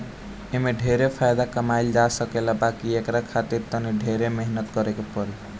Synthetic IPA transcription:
emeɖʱeɾepʰajd̪akəmajld͡ʒasəkelabakiekɾakʰat̪iɾt̪əniɖʱeɾemeɦnət̪kəɾekepɔɾi

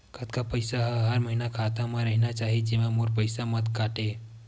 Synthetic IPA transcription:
kʰət̪kapəɪsaɦɦəɾməɦinakʰat̪amãɾəɦinat͡ʃaːɦid͡ʒemãmoɾpəɪsamət̪kaːʈe

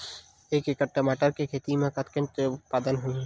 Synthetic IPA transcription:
eːkekəʈəmaːʈəɾkekʰeːt̪imẽkɐt̪kɪ̃nt̪ʊt̪̚paːd̪ənɦui

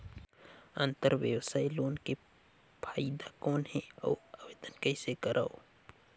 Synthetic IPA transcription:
ə̃nt̪əɾʋjəwsaːiloːnke | pʰaːid̪akɔːnɦɛɔ̰ːaːʋeːd̪ənkəisekəɾʔaːoː

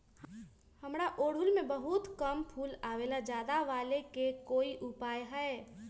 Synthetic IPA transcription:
həmɾaʔoːɽ̤ʊlmẽbəɦut̪kəmpʰuːlaːʋeːlad͡ʒjaːd̪aʋaːlekekoːiʔʊpaːjɦɛe

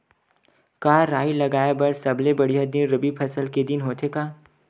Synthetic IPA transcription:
kaːɾaːilɐɡaːebɐɾsɐblebɐɽijad̪ɪnɾɐbipʰɐsəlked̪ɪnɦoːt̪ʰekaː

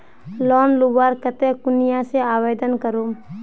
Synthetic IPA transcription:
lɔːnlubaːɾkət̪ekʊnijaseaːʋeːd̪ənkəɾom

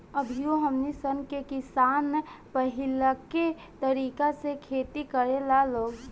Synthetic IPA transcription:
əbʱijoɦəmnisənkekɪsaːnpəɦɪlake | t̪əɾiːkasekʰeːt̪ikəɾelaloːɡ

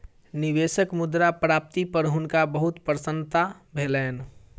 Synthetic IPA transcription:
niʋesəkmud̪ɾapɾap̚t̪ipəɾɦʊnkabəɦut̪pɾəsə̃nt̪a | bʱelɛːn

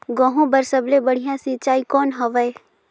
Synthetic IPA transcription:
ɡɔ̃ːɦõbɐɾsəblebɐɽ̤ijãsit͡ʃaːikɔːnɦɐʋəe

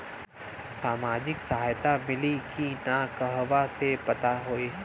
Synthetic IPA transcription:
saːmaːd͡ʒɪksɐɦaːjt̪amɪlikʰinakəɦʋasepɐt̪aɦoeː

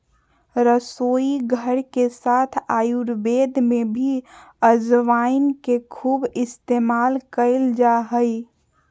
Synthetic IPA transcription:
ɾəsoːiɡʱəɾkesaːt̪ʰaːjuɾbeːd̪mẽbʱiəzʋaɪnkekʰuːbɪst̪eːmaːlkəɪld͡ʒaɦəi

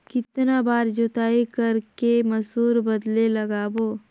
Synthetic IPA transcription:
kɪt̪nabaːɾd͡ʒot̪aːikɐɾkemɐsuːɾbɐd̪lelɐɡaːboː

